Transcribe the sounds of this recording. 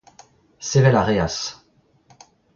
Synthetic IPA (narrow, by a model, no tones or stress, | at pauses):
sevɛlaʁeas